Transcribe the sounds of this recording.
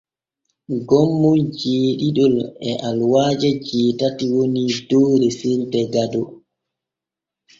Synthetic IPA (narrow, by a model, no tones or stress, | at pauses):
ɡɔmːud͡ʒeːɗiɗɔlɛ̰ʔalwaːd͡ʒɛd͡ʒɛːtatiwonidɔːɾɛsildɛɡadɔ